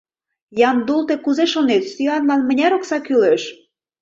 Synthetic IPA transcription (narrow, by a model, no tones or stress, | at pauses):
jɑmd̪ulˠt̪ekuzeʃonet̪st̪yɑnlɑnmə̆nʲæɾoksɑkyleʃ